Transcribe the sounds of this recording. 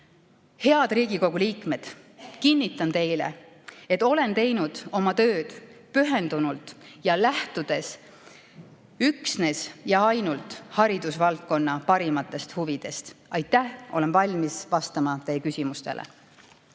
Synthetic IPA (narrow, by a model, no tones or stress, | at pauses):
he̞ɑd̪̥riːɡ̥iko̞ɡ̥uliːkme̞d̪̥ | kinːit̪ːˑɑnt̪e̞jle̞̰ | et̪ːˑo̞le̞nt̪e̞jnud̪̥o̞mɑt̪ø̞ːd̪̥pyɦe̞nd̪unult̪ˑjɑlæht̪ud̪̥e̞s | yksne̞sjɑɑjnult̪ˑhɑɾid̪usvɑlt̪̚ko̞nːɑpɑɾimɑt̪ˑːe̞st̪huvid̪̥e̞st̪ʔɑjt̪ːˑæhʔo̞̰lenvɑlʲmisvɑst̪ɑmɑt̪e̞jekysʲimust̪e̞̰lḛ